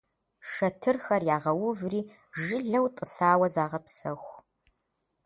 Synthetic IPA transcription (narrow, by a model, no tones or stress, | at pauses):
ʂɐtʰɨrxɐrjaːʁɐwʊvriː | ʒɨɮɐwtʼəsaːwɐzaːʁɐpsɐxʷ